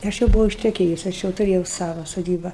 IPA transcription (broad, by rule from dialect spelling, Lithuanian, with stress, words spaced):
ˈɐʃ jɛʊ bʊˈʋɐʊ ɪʃʲtʲɛˈkʲeːjʊs ˈɐʃ jɛʊ tʊˈrʲeːjɛʊ ˈsɑːʋɐ soːˈdʲiːbɐ